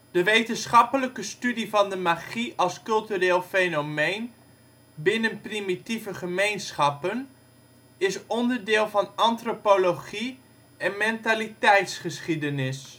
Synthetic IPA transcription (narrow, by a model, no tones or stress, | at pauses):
d̥əʋejtənsχɑpələkəstydivɑndəmaχiʔɑlˠskɵlˠtyreːlˠfejnomejn | bɪnənprimitivəχəmejnsχɑpən | ɪsɔndəɹdɪːlˠvɑnɑntropoloχi | ɛnmɛntalitɛjtsχəsχidənɪs